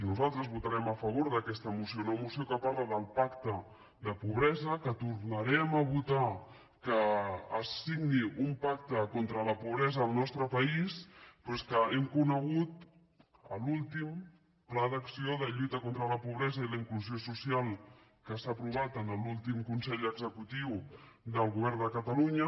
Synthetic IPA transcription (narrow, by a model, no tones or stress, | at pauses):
inuzalˠt̪ɾəzβut̪əɾɛməfəβ̞oɾðəkɛst̪əmusiounəmusiokəpaɾləðəlˠpakt̪ə | d̪əpuβɾɛzəkət̪uɾnəɾɛməβut̪a | kəːsːiɡniʔumpak̚t̪əkont̪ɾələpuβɾɛzəːlˠnɔst̪ɾəpəispwɛskəɛmkunəɣ̞ut̪ | ə̰lulˠt̪im | plaðəksioðəʎujt̪əkont̪ɾələpuβɾɛzəiləiŋkluziosusialˠ | kəsaːpɾuβ̞at̪ənəlulˠt̪imkunsɛʎəɡzəkut̪iw | d̪əlˠɣuβ̞ɛrnd̪əkət̪əluɲə